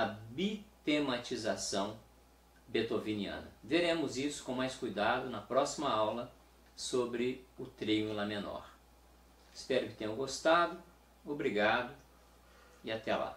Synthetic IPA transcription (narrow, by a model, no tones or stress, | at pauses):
ɐbit̪emat͡ʃizasɐ̃w̃ | bet̪oviniɐ̰̃nɐveɾẽmʊzisʊ̥kõmajskujd̪ad̪ʊnɐpɾɔsimɐawlɐ | sobɾɪʊt̪ɾiʊĩlɐmenɔ̰ɾ | ɪspɛɾʊkɪt̪ẽɲɐ̃w̃ɡost̪ad̪ʊ | obɾiɡad̪ʊ | iat̪ɛla̰